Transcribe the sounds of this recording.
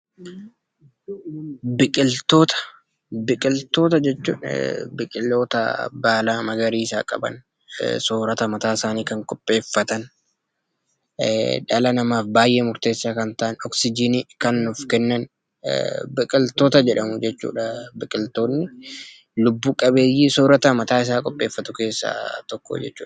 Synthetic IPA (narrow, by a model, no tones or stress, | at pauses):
bɪkʼɪlt̪o̞ːt̪ɐ̥ | bɪkʼɪlt̪o̞ːt̪ɐd͡ʒɛt͡ʃːṵːnbɪkʼɪlːo̞ːt̪ɐ̰baːlaːmɐɡɐɾiːɪsaːkʼɐ̰bɐ̰n | soːɾɐt̪ɐmɐt̪aːɪsaːniːkɐŋkʼɔpʼːe̞ːfːɐt̪ɐn | ᶑɐlɐnɐmaːfbaːjʔeːmʊɾt̪e̞ːsːaːkɐnt̪ɐʔɐnɔksɪd͡ʒinikɐnːʊfkɛnːɐn̰ | bɪkʼɪlt̪o̞ːt̪ɐd͡ʒɛᶑɐmʊd͡ʒɛt͡ʃːṵːᶑɐbɪkʼɪlt̪o̞ːnːɪ | lʊbːuːkʼɐbe̞ːjːisoːɾɐt̪ɐmɐt̪aːɪs̬aːkʼɔpʼːe̞ːfːɐt̪ʊke̞ːsːa̰ːt̪ɔkːo̰d͡ʒɛt͡ʃːṵːᶑ